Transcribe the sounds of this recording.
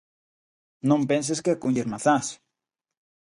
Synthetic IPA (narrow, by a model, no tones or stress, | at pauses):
nõmpens̬eskekuɲʝeɾmaθas